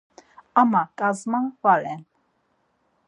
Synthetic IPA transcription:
amakʼazmanvalɛn

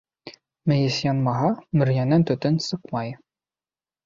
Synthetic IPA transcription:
mɘ̆jɘsjɑnmɑɦɑmɵ̆ɾjænænt̪ɵ̆t̪ɘnsɤqmɑj

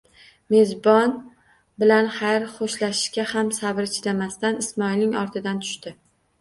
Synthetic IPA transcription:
me̞zbɒn | bɪlanχajɾχoʃlaʃɪ̥ʃkʲahamsabɪɾt͡ʃʰɪɾamast̪anɪsmɒilnɪŋɒɾt̪ʰɪd̪ant̪ʰʊ̥ʃt̪ɪ

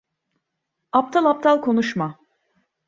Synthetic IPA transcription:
ap̚t̪ʰalˠap̚t̪ʰalˠkʰo̞nuʃma

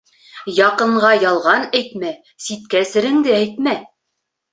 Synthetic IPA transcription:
jɑqɤ̆ɴʁɑjɑlˠʁɑnæjt̪mæ | sit̪̚kæsɘ̆ɾɘ̆ŋd̪ɘæjt̪mæ

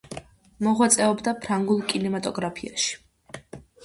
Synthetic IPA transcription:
mɔʁwat̪sʼɛɔbd̪apʰɾaŋɡulˠkʼinɛmat̪ʼɔɡɾapʰia̰ʃi̥

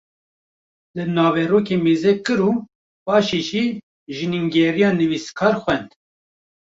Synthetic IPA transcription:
lɨnɑːvɛroːkeːmeːzɛkɨɾu | bɑːʃeʒi | ʒɨniŋɡɛɾijɑːnɨviskʰɑːɾxʷɛnd̪

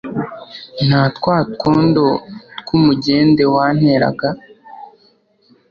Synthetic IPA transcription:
n̥haːtkwaːtkoːndotkumuɟe̞ːnde̞wan̥he̞ɾa̰ɡa

